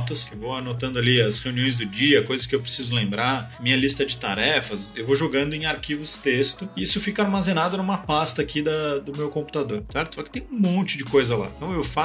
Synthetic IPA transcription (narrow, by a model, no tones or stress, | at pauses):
t̪ɐsewvowanot̪ɐ̃nd̪ʊaliɐsheuniõj̃z̬d̪ʊd͡ʒiɐkojzɐs̬kɪewpɾesizʊlẽmbɾamĩɲɐlist̪ɐd͡ʒɪt̪a̰ɾɛfɐsewvoʒoɡɐ̃nd̪ʊẽj̃aɾkivʊst̪est̪ʊɪisʊfikɐaɾmazẽnad̪ʊnũmɐpast̪ɐːkid̪ɐd̪ʊmewkõmpu̥t̪ad̪oɾsɛɾt̪ʊ̥sɔkɪ̥t̪ẽj̃ũmõnt͡ʃɪd͡ʒɪkojzɐlã̰t̪ɐ̃w̃ewfa